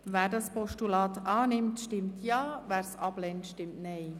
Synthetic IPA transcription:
væːɾdɑspɔʃtulɑːt̪ɑːnɪmtʃtɪmtʰjɑːvæːɾsɑb̥lɛntʃtɪmtnɛɪ

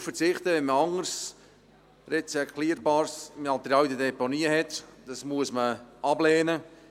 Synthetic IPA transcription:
fət͡sɪχt̪əʋɛnməɑŋəɾs | rɛt͡sɛkʰliəɾbɑːɾsmɑlt̪ɾɑdəd̪ɛponiːəhɛt̪d̥ɑsmuəsməʔɑblɛːnə

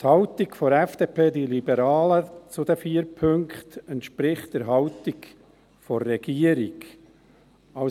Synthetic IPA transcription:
thɑwtikfɔɾɛfd̥eːpʰeːd̪ilibɛɾɑːlət͡sʊd̪əfiːəɾpʰɵŋkχt̪əntʃpɾɪχtdəɾɦɑʊtik | fɔrːɛɡiːəɾiɡ | ɑ

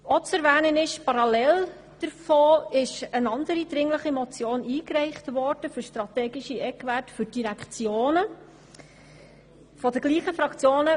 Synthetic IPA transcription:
ɔt͡sɛɾvɛːnənɪʃpɑɾɑlɛl | d̥əɾfoːɪʃənɑndəɾidɾɪŋləχimɔt͡sjoːniːkrɛɪχtʋɔɾd̥əfʏɾʃtɾɑtɛːɡɪʃiʔɛkʋætfʏɾd̥iɾækt͡sjoːnə | fɔdəɡ̥liːχəfɾɑkt͡sjoːnə

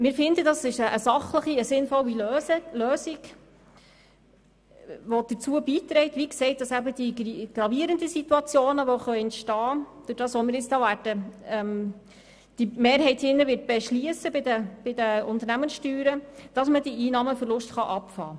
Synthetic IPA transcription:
mɪːɾfɪndədɑsɪʃəʔːsɑχləχiəsɪnfɔliløløːsiɡ | ʋɔd̥ət͡suəbiːt̪ɾɛɪtʋiksɛɪt̚d̥ɑsæbəd̥iɡ̥ɾɑviːəɾəndəsituɑt͡sjoːnəʋɔχœʏɛntʃtɑːd̥ʊɾd̥ɑːsʋɔmɪːɾɪt͡stɑːʋæːrd̥əɛm | d̥imeːɾɦɛɪthɪnːəʋɪːt̚b̥ɛʃliəsəbɪdəb̥ɪdəʊnt̪əɾnæmənsʃtyːɾəd̥ɑsmədiʔiːnɑːməfəɾlʊʃtχɑʔɑpfɑ̰ː

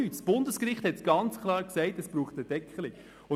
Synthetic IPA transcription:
yːtsb̥ʊndəskɾɪχthɛtsɡ̥ɑnt͡skʰlˠɑːɾksɛɪtɛsb̥ɾuːχtəd̥ɛkʰːəlɪ | ʊ

